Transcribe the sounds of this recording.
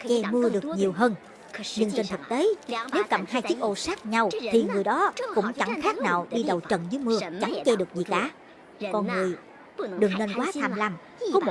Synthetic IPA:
t͡ɕɛ˧mɨ˧əɗɨ˨˩ək̚ɲi˨˩əwɦəː˧n | ɲɨ˧ŋt͡ɕe˧nt̪ʰɨ˨˩k̚t̪e˨˦ne˨˦wkə˨˩mhaː˧jt͡ɕi˦˥ək̚ʔo˧saː˦˥k̚ɲa˧wt̪ʰi˨˩ŋɨ˨˩əjɗɔ˨˦kʊ̰˧˥ŋ͡mt͡ɕa˧˩ŋxaː˦˥k̚naː˨˩wɗi˧ɗə˨˩wt͡ɕə̰˨˩nzɨː˨˦jmɨ˧ət͡ɕa˧˩ŋt͡ɕɛ˧ɗɨ˨˩ək̚zi˨˩kaː˧˩˨ | kɔ˧nŋɨ˨˩əj | ɗɨ˨˩əŋne˧nkwaː˨˦t̪ʰaː˧mla˧˩m | kɔ˨˦mo˨˩

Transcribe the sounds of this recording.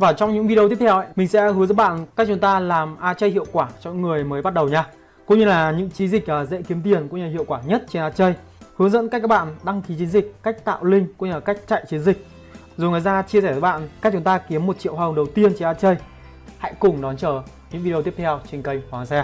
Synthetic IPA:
vaː˨˩t͡ɕɔ˧wŋ͡mɲɨ̰˧˥ŋvi˧˨˧ə˧t̪i˦˥pt̪ʰɛ˧wʔə̰˧˨jmï˨˩ŋ̟sɛ̰˧˥hɨ˨˦zə̰˧˥ɓa̰ː˧˨nka˦˥t͡ɕʊ˨˦ŋ͡mt̪aː˧laː˨˩mʔaː˧t͡ɕə˧jɦḭ˧˨əwkwaː˧˩t͡ɕɔ˧ŋ͡mɲ̰˧˥ŋːɨ˨˩əjməː˨˦jɓa˦˥t̚ɗə˨˩wɲaː˧ | kʊ̰˧˥ŋ͡mɲɨ˧laː˨˩ɲɨ̰˧˥ŋt͡ɕi˨˦nzï˨˩k̟̚ʔəː˨˩zḛ˧˥ki˨˦əmt̪i˨˩ənkṵ˧˥ɲaː˧˩hḭ˧˨əwkwaː˧˩ɲə˦˥t̚t͡ɕe˧nʔaː˧t͡ɕə˧j | hɨ˨˦əŋzə̰˧˥nka˦˥k̚ːaː˦˥k̚ɓa̰ː˧˨nɗa˧ŋki˨˦t͡ɕi˨˦nzï˨˩k̟̚ka˦˥k̟̚t̪a̰ː˧˨wlï˧ŋ̟kṵ˧˥ɲaː˧˩ka˦˥jk̟̚t͡ɕa̰˧˨jt͡ɕi˨˦ənzï˨˩k̚ | zo˨˩jŋaː˨jzaː˧t͡ɕi˧əsɛː˧˩zːɓa̰ː˧˨nka˦˥k̚t͡ɕʊ˨˦ŋ͡mt̪aː˧ki˨˦əmːo˨˩t̚t͡ɕḭ˧˨whaː˧˩˨ɗə˨˩wt̪i˧ənt͡ɕe˧nʔaː˧t͡ɕə˧j | ha̰˧˥jkʊ˨˩ŋ͡mɗɔ˨˦nt͡ɕəː˧˩ | ɲɨ̰˧˥ŋvi˧t̪i˦˥əp̚t̪ʰɛ˧wt͡ɕi˨˧˩ŋkə˧jŋwa˨˩a˨˩sɛ˧

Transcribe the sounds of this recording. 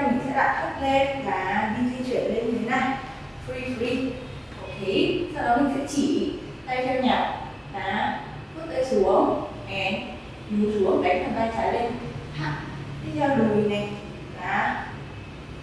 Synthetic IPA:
mï˨˩ŋ̟sɛ̰˧˥ɗa̰ː˨˩k̪ʰə˦˥t̚le˧nlaː˨˩ɗi˧zi˧t͡ɕwi˧˩ənle˧nɲɨ˧˩t̪ʰe˨˦naː˧ | fɾi˧fi˧ | ʔo˨˧˩kʰe˨˦saː˧wɗɔ˨˦mï˨˩ŋ̟sɛ̰˧˥t͡ɕi˧˩ | t̪a˧jt͡ɕa˧ɲaː˨˩ | laː˨˦ | fɨ˦˥t̚ʔə̰˧˩jsu˨˦əŋ | ʔɛ˨˩ | i˨˦su˨˦əŋka˦˥k̚tʰaː˨˩t̪aː˧jt͡ɕaː˧˩le˧nha˨˩t̪ʰi˧˦˥zɔ˧˩ɗə˨˩mi˨˩na˨˩j | laː˨˩

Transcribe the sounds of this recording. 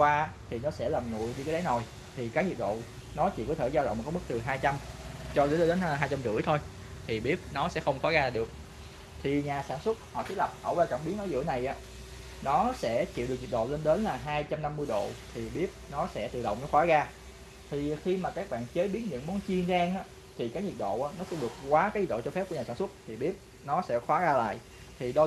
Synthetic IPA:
waː˧˦˥t̪ʰi˨˩nɔ˨˦sɛ̰˧˥laː˨˩mŋṵ˧˨əjɲɨ˧kaː˨˦ɗa˨˦jno˨˩j | t̪ʰi˨˩kaː˦˥k̚zi˨˩ək̚ɗo̰˧˨ | nɔ˨˦t͡ɕḭ˧˨kɔ˨˦t̪ʰe˧˩zaː˧wɗə̰˧˨wŋ͡mkːjm˦˥k̚t̪ɨ˨˩ɦaː˧jt͡ɕa˧mt͡ɕɔ˧zə˧˦ɗe˨˦n˧ɦaː˧jt͡ɕa˧mzɨ̰˧˩ət̪ʰo˧j | t̪ʰi˨˩ɓi˦˥əp̚nɔ˨˦sɛ̰˧˥xə˧wŋ͡mkɔ˨˦ɣaː˧˨ɗɨ˨˩ək̚ | t̪ʰi˨˩ɲaː˨˩saː˧˩nswə˦˥t̚hɔ̰˧˨t̪ʰi˦˥lə˨˩p̚hɔ̰˧˩waː˧t͡ɕa˧˩mɓi˨˦ənʔəː˧˨˩zɨ̰˧˥əna˨˩jʔa̰ː˨˦˥ | nɔ˨˦sɛ̰˧˥t͡ɕḭ˧˨wɨ˨˩k̚ɲi˨˩ɗo̰˧˨le˧nɗe˨˦nlaː˨˩ɦaː˧jt͡ɕa˧mna˧mːɨ˧jɗo̰˧˨t̪ʰi˨˩ɓi˦˥əp̚nɔ˨˦sɛ̰˧˥t̪ɨ̰˧˨ɗə̰˧˨wŋ͡mnɔ˨˦xwaː˨˦ɣaː˧ | t̪ʰi˨˩xi˧maː˨˩kaː˦˥k̚ɓa̰ː˧˨nt͡ɕə˨˦jɓi˨˦ənɲɨ̰˧˥ŋmɔ˨˦nt͡ɕi˧ənzaː˧ŋʔaː˨˦ | t̪ʰi˨˩kaː˨˦˥kŋɲi˨˩t̚ɗo̰˧˨ʔaː˨˦nɔ˨˦sɛ˧˦vɨ˨˩ək̚kwaː˨˦kaː˨˦jɲi˨˩ɗo̰˧˨˧t͡ɕɔ˧fɛ˦˥p̚ku˧˩aː˨˩aː˧˩swt̚t̪ʰi˨˩ɓi˦˥əp̚ | nɔ˨˦sɛ̰˧˥xwaː˨˦ɣaː˧la̰ː˧˨j | t̪ʰi˨˩ɗɔ˧

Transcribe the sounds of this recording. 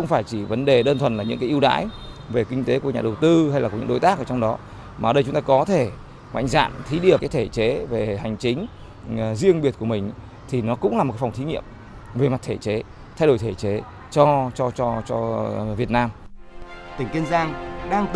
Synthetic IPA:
xə˧wŋ͡mfaː˧˩jt͡ɕi˧˩və˨˦nɗe˨˩ɗəː˧nt̪ʰwə˨˩nlaː˨˩ɲɨ̰˧˥ŋka˨˦ʔi˧wɗa̰ː˧˥j | ve˨˩kï˧ŋ̟t̪e˨˦ku˧˩əɲaː˨˩ɗə˨˩wt̪ɨ˧ha˧jlaː˨ku˧˩˨ɨ̰˧˥ɗo˨˦jt̪aː˦˥k̚ʔəː˧˩t͡ɕɔ˧wŋ͡mɗɔ˨˦ | maː˨ə˨˩ɗə˧jt͡ɕʊ˨˦ŋ͡mt̪aː˧kɔ˨˦t̪ʰe˧˩ | ma̰˧˨ŋza̰ː˧˨nt̪ʰi˨˦ɗḭ˨˧˩əka˨˦jt̪ʰe˧˩t͡ɕe˨˦ve˨˩ha˨˩jŋ̟t͡ɕï˨˦ŋ̟ | zi˧əŋɓi˨˩ət̚ku˧˩əmï˨˩ŋ̟ | t̪ʰi˨˩nɔ˨˦kʊ̰˧˥ŋ͡mlaː˨˩m˨˩kfŋ͡mt̪ʰi˨˦ŋḭ˧˨əm | ve˨˩ma˨˩t̚t̪ʰe˧˩t͡ɕe˨˦ | t̪ʰa˧jɗo˧˩jt̪ʰe˧˩t͡ɕe˨˦ | t͡ɕɔ˧t͡ɕɔ˧t͡ɕɔ˧t͡ɕɔ˧vi˨˩ət̚naː˧m | t̪ï˨˩ŋ̟ki˧nzaː˧ŋɗaː˧ŋt̪

